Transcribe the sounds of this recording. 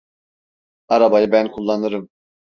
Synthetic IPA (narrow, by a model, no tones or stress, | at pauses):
aɾabajɯbænkʰulˠːanɯɾɯm